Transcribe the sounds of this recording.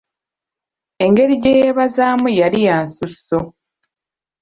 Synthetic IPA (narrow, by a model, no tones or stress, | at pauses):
e̞ŋɡe̞ɾiɟejeβazaːmujalijaːnsuso